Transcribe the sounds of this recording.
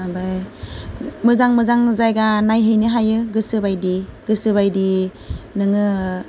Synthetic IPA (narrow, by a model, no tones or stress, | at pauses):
abaj | mɯzaŋmɯzaŋzajɡanajɦɯjnɯɦajɯɡɯsɯbajdiɡɯsɯβajdi | nɯŋɯ